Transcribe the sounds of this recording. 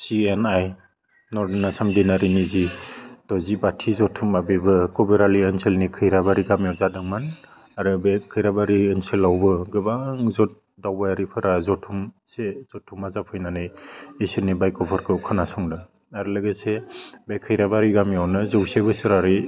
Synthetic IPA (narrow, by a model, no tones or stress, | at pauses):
sienaj | nɔɾdnasamdenaɾinizid̥ɔzibatʰizɔtʰumabebɯkɔbeɾaliɯnselnikʰɯjɾabaɾiɡamjawzadɯŋman | aɾɯbekʰɯjɾabaɾiːnselawbɯɡɯbaŋzɔt̚ | dawbajaɾipʰɯɾazɔtʰum | sez̥ɔtʰːumazapʰɯjnanɯjesenibajkɔpʰɔɾkʰɯkʰɯnasɔŋdɯ | aɾɯlɯɡesebajkʰɯjɾabaɾiɡamjawnɯzɯwsajbɯsɯɾaɾi